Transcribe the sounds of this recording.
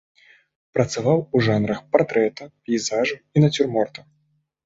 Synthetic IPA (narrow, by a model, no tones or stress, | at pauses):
pɾɐt̪savawuʐanɾɐxpart̪ɾɛt̪ɐpʲiizaʐɐinɐt͡sʲurmɔrt̪ɐ